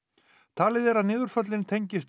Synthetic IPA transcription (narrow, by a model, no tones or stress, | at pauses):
t̪ʰaːlɪðɛɾaðnɪːðʏɾ̥fœt̪lɪnt̪ʰejɲcɪst̪